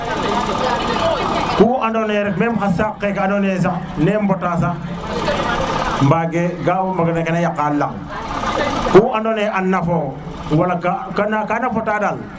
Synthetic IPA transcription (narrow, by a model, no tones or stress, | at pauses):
kuːandoneɾɛt̚memxasakːekanones̬ak | nembotasa | mbaɡeɡawmbaɡanekenejakːala̰ŋ | kuːʔandoneʔanːafo | walakakanakanafotadal